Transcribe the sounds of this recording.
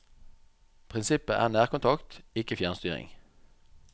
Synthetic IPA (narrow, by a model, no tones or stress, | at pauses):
pʰʁɪnsɪpəʔæ̰ːʁnæːʁkʊnt̪ʰɑkt̪ɪkəfjæːʁnst̪yːʁɪ̰ŋ